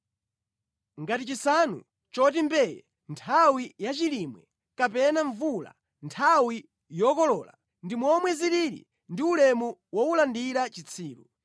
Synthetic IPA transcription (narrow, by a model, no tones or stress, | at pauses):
ŋɡatit͡ʃisanṵ | t͡ʃɔt̬imbɛjɛ̰ | ntʰawijat͡ʃilimwɛ | kapɛnaɱvula̰ | ntʰawi | jɔkɔlɔːla̰ | ndimwɔmwɛziɾiɾḭ | ndiulɛmuwɔulandiɾat͡ʃit͡sʰiːlu